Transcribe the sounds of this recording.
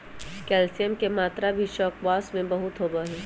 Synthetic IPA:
kɛːlsijəmkemaːt̪ɾabʱiʃɔːkʋaːsmẽbɐɦʊt̪ɦoːbaɦɛː

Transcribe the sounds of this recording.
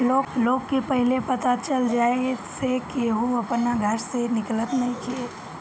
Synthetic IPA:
loːɡloːɡkepɛɦlepɐt̪at͡ʃɐld͡ʒaːesekiɦuɐpnaɡʱɐɾsenɪklət̪nɐɦĩkʰie

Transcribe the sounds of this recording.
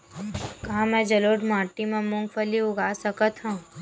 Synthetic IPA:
kɐɦãmɛ̃d͡ʒɐloːʈmãːʈimẽmʊ̃ŋɡfʰəliʊɡaːsɐkət̪ɦãː

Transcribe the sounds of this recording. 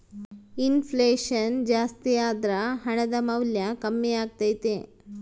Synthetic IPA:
infʰleːʂɐnd͡ʒaːst̪ijaːd̪ɾɐɦɐɳɐd̪ɐmɐwljɐkɐmːiaːɡ̚t̪aːjt̪e

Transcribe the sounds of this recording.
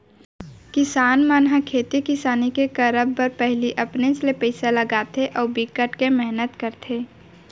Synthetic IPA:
kɪsaːnmaːnɦakʰeːt̪ikɪsaːnikekəɾəbːəɾpɛɦliʔɐpneslepɛɪselɐɡaːt̪ʰeʔɔːɾbikəʈkemɛɦnət̪kəɾt̪ʰeː

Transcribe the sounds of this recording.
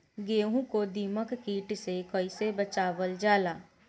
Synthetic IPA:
ɡeːɦũkod̪iːməkkiːʈsekəɪsebət͡ʃaːʋəld͡ʒaːlaː

